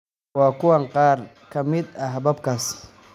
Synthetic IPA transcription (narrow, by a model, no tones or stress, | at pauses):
wɑːkʰʊwɐŋqɑːr | kʰɐmɪd̪ɐɦbɐbkʰaːs